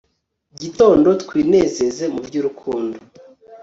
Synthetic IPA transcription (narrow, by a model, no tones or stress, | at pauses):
ɟito̞ːndo̞tkwiːne̞ːze̞ze̞muvɟuːɾukʰuːndo